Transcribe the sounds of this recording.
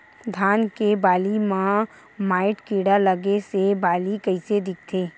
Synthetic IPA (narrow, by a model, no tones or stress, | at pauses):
d̪ʱaːnkebaːlimã | maːɪʈkiːɽaləɡesebaːlikɐised̪ɪk̚ʰt̪ʰeː